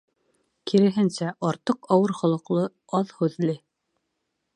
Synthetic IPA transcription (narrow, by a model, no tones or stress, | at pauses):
kiɾɘ̆ɦɘ̆nsæʔɑɾt̪ɤqɑwɤɾχŏlˠɤ̆qlˠɤ | ɑðhʉðlɘ